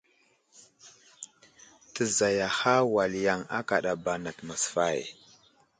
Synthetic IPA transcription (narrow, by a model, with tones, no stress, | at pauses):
tə˨za˨ja˨xa˦wa˨lja˨ŋa̰˦ka˨ɗa˨ba˨na˨tma˨sfa˦˨j